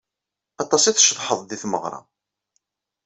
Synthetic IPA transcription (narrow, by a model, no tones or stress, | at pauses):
ɑt̪ˤɑsˤiθʃəðˤħəðˤd̪iθmə̰ʁɾˤɑ̰